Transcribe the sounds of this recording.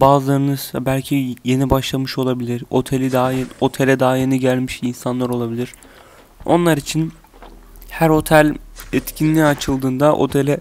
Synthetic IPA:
baːzlˠaɾɯnɯzabælʲcʰije̞nibaʃlˠamɯʃo̞lˠabilʲiɾo̞t̪ʰe̞lʲid̪ao̞t̪ʰelʲɛd̪aɦaje̞niɟælʲmiʃinsanlˠaɾo̞lˠabilʲiɾ̥ | o̞̰nlˠaɾit͡ʃʰin | hæɾo̞t̪ʰælʲɛt̪cʰinːʲiat͡ʃʰɯlˠd̪ɯːnd̪aʔo̞̰t̪ʰe̞lʲɛ

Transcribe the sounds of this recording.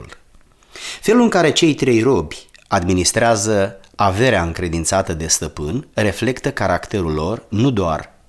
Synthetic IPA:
l | fe̞lulɨŋkaɾe̞t͡ʃe̞jt̪ɾe̞jro̞bʲad̪minist̪ɾeazəave̞ɾeaɨŋkɾe̞d̪int̪sat̪əd̪e̞st̪əpɨnre̞fle̞kt̪əkaɾakt̪e̞ɾulːo̞rnud̪oa̰r

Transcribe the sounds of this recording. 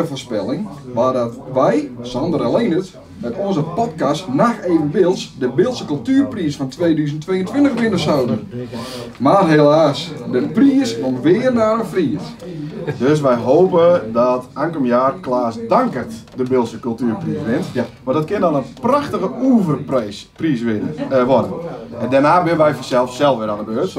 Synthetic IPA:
əfoːrspɪlˠɪŋʋadɔtʋɛjsɔndəɾəlenət | mɛtɔnzəpɔtkastnaxeːvənʋɪlˠsdəbɪlˠsəkɵlˠtyːrpriəsfɔntʰʋeːdyːzən̩tʋeːəntʋɪntəxʋɪnəsawdən | marɦelaːsdəpriəsʋɔnʋɪːərnarəfriəs | døs̬ʋɛjɦoːpədɔtaŋkəmjaːrklaːsdaŋkərtdəbɪlˠsəkølˠtyːrpriːsʋɪntmadɔtkɪndɔnənpraxtəɣəuːvərpspriːsʋɪnʋɔdənɛndɛrnaːbɪnənʋɛjfɔsɛlˠfssɛlˠfʋɪɾandəbøːt

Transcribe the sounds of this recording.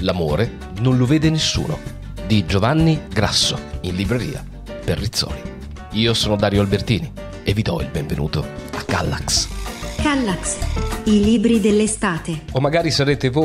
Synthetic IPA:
lamoːɾe | nonlʊveːd̪enesːṵːno̰ | d̪id͡ʒovanːiɡɾa̰sːoinlibɾeɾḭːa̰ | perːit̪sːɔ̰ːli | iːosɔːnod̪aːɾjoalbert̪iːni | evːid̪ɔ̰ḭlbɛɱvenʔṵːt̪oakːa̰lːa̰kskalːaksiliːbɾid̪elːest̪aːt̪eomːaɡaːɾisaɾeːt̪evo

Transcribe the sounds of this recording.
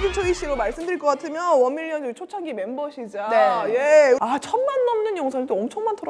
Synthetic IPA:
d͡ʑɯnt͡ɕʰʌiɕ͈iɾomaɭs͈ɯmdɯɾiɭk͈ʌk͈atʰɯmjʌnwʌniɭːʌnt͡ɕʰot͡ɕʰaɡime̞nbʌɕʰid͡ʑanejeat͡ɕʰʌnmanːʌmnɯnjʌŋsʰaet͈oʌmt͡ɕʰʌŋmantʰʌɾ

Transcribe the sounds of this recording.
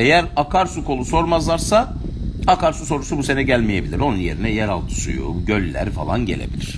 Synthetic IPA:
e̞jæɾakʰaɾsukʰo̞lˠuso̞ɾmazlˠaɾsa | akaɾsuso̞ɾusubuse̞nɛɟælʲmije̞bilʲiɾo̞nunjeɾinɛjæɾalˠt̪ʰɯ̥sṵjṵɟø̞lʲːæ̰ɾfa̰lˠanɟe̞lʲḛbḭlʲiɾ̥

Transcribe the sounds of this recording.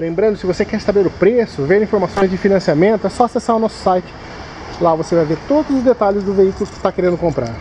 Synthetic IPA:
lẽmbɾɐ̃nd̪ʊsɪvosekɛɾɪst̪abeleɾʊpɾesʊvẽɾĩfoɾmasõj̃zd͡ʒɪfinɐ̃siamẽnt̪ʊɛsɔasesaɾʊnɔsʊ̥sajt͡ʃɪ̥ | lavosevajveɾt̪od̪ʊzʊzd̪et̪aʎɪzd̪ʊveikʊlʊkɪ̥st̪akeɾẽnd̪ʊkõmpɾa̰ɾ

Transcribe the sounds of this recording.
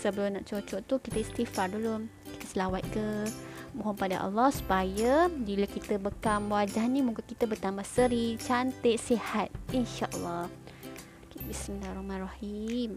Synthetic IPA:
səbəlʊmnaʔt͡ʃot͡ʃɔʔt̪ukit̪əist̪ifadolom | ki̥t̪əsəlawat̪̚kəmoɦɔmpada̰ʔa̰lːɔhsu̥pajəbilakit̪əbəkamwad͡ʒahnĩmuŋkankit̪əbət̪ambasəɾit͡ʃant̪eʔsihat̪̚ʔinʃaʔə̰lːɑ | kbismilarɔhmanrɑhim

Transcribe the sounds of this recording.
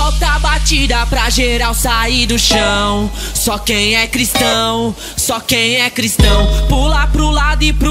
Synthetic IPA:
ɔwt̪abat͡ʃid̪ɐpɾɐʒeɾawsaid̪ʊʃɐ̃w̃ | sɔkẽj̃ɛkɾist̪ɐ̃w̃ | sɔkẽj̃ɛkɾist̪ɐ̃w̃pulapɾʊlad̪ʊɪpɾ

